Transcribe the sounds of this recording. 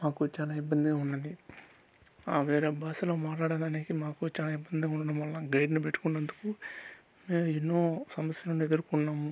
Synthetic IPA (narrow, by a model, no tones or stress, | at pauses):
maːkut͡ʃaːlaːibːɐnd̪iɡaunːɐd̪i | aːʋeːɾeːbaːsɐloːmaːʈlaːɽɐnd̪ɐːneːkimaːkut͡ʃaːlaːibːɐnd̪iɡauɳɖɐɽɐmʋɐlːaɡɐjɖnipeʈːu̥kunːɐnd̪uku | me̞ːmenːo̞ːsɐmɐsjɐlɐnued̪uɾukunːaːmu